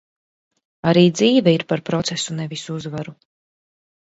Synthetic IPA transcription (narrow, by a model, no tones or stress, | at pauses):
aɾiːd̪ziːvɛiɾpaɾpɾɔt̪sɛsunɛvisuuzvaɾu